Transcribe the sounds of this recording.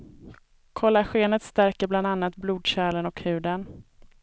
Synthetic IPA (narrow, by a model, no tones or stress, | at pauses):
kʰɔlːaɧeːnət̪st̪æɾkəɾbland̪anːat̪bluːd̪ɕæːlənɔkhʉ̟ːd̪ən